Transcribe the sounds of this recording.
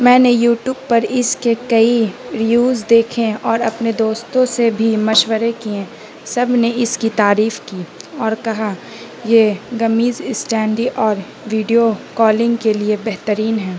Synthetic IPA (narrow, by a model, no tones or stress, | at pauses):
mɛ̃ːnejuːʈjuːb̚pɐɾɪskekɐiɾijuːzd̪eːkʰẽɔːɾɐpned̪oːst̪õsebʱimɐʃwəɾekiẽ | sɐbʱneɪskit̪aːɾiːfkiːɔːɾkɐɦa | jeɡɐmiːzsʈɛ̃ːɳɖiʔɔːɾ | ʋiːɖijokɔːlɪ̃ŋɡkeliebɛɦt̪əɾiːnɦɛ̃ː